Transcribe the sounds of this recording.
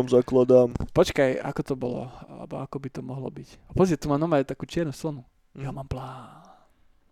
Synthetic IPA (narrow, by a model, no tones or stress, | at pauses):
amzaklad̪aːmpɔt͡ʃkaja̰kɔt̪ɔbɔlɔ̰a̰lɛ̰bɔ̰akɔbit̪ɔmɔɦlɔ̰bicapɔzʋɛt̪umanɔmajt̪akuːt͡ʃɪɛɾnuslɔnu | jamaːmplaːn